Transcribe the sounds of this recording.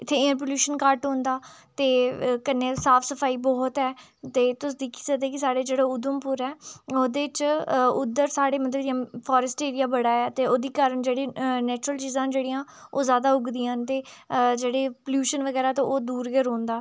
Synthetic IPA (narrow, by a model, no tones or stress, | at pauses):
ɪt̪ʰːeːɪ̃ɾp̬oljuːʃənkaːɾʈɦõːnd̪aːt̪eːkəneːsaːpʰsəpʰaːiːbɔːt̪ɛː | t̪eːt̪ʊsd̪iːkʰi̥ːsəd̪eːkɪsaːɽeːd͡ʒeːɽaːʊd̪əmpʊɾɛːoːd̪eːt͡ʃʊd̪əɾsaːɽeːmət̪ləbd͡ʒɪjãːpʰɔːɾəsʈeːɾɪjaːbəɽaːɛːt̪eːoːd̪iːkaːɾəɳd͡ʒeːɽiːnɛːt͡ʃɾəlt͡ʃiːzãːd͡ʒeːɽiːãːoːzjaːd̪aːʊɡd̪ijãːnt̪eːd͡ʒeːɽeːpəljuːʃənʋəɡɛːɾaːt̪õʔoːd̪uːɾɡɛːɾõːnd̪aː